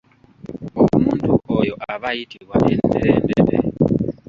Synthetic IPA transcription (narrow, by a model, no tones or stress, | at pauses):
omuːntʰuʔojoʔaβajitʰiβwaʔendeɾendeɾḛ